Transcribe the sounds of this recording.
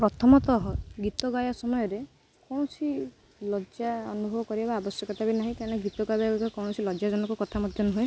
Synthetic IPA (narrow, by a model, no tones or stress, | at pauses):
pɾɔt̪ʰɔmɔt̪ɔɦɔɡit̪ɔɡajɔsɔmɔjɔɾe | kɔw̃ɔsi | lɔd͡ʒaɔnubʱɔbɔkɔɾibabaːbɔsjɔkɔt̪ʰabinaɦĩkaɾneɡit̪ɔɡabaɡɔkɔkɔwɽ̃ɔsilɔd͡ʒjad͡ʒɔnɔŋkɔkɔt̪ʰamɔd̪ʱjɔnuɦue